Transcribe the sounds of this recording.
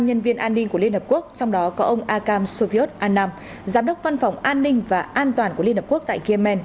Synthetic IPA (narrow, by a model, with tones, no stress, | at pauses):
ɲə˧nvi˧ənʔaː˧nːi˧ŋ̟ku˧˩əli˧ənhəː˨˩p̚ku˦˥ək̚t͡ɕɔ˧wŋ͡mɗɔ˨˦kɔ˨˦ʔə˧wŋ͡mʔaː˧kaː˧mso˧vi˧o˦˥t̚ʔaː˧naː˧m | zaː˨˦mɗə˦˥wk͡p̚va˧nfa˨˩wŋ͡mʔaː˧nːï˧ŋ̟vaː˨˩ʔaː˧nt̪waː˨˩nku˧˩li˧nhəː˨˩pku˦˥ək̚t̪a̰ː˧˨ɣi˧ə˧mɛ˧n